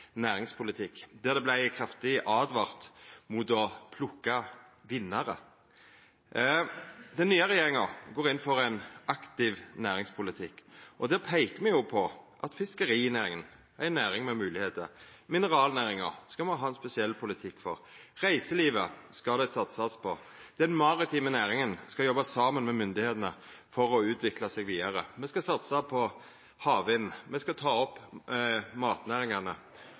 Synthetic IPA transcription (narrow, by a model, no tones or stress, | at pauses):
næːɾɪŋspʰʊlɪt̪ʰɪkːd̪æʁd̪ɛblæɪkʰʁɑft̪ɪʔɑːd̪ʋɑʁt̪mʊt̪ɔpʰlʊkːɑʋɪnːɑɾə̰ | d̪ɛnːyːəʁɛjeːʁɪŋɑɡoːɾɪnfɔɾæɪnɑkt̪ɪʋnæːɾɪŋspʰʊlɪt̪ʰɪkːʔɔd̪ɛːpʰæɪkəmɛjʊpʰɔʔɑt̪fɪskəɾiːnæːɾɪŋən | æɪnæːɾɪŋmɛmʉːlɪheːt̪əɾmɪnəʁɑːlnæːɾɪŋə̰ɾskɑmɛɦɑːɛnspɛsɪɛlːpʰʊlɪt̪ʰɪkːfɔɾʁæɪsəliːʋəskɑd̪æɪsɑt̪sɑspʰɔd̪̥ɛnmɑɾɪt̪ʰiːmənæːʁɪŋənskɑjɔbɑsɑːmənmɛmʏnd̪ɪheːt̪ənəfɔɾɔʉːt̪ʋɪklɑsɛɡʋiːd̪ɑɾəmɛskɑsɑt̪sɑpʰɔ | hɑːʋɛnmɛskɑt̪ʰɑːɔpː | mɑːt̪næːʁɪŋɑnə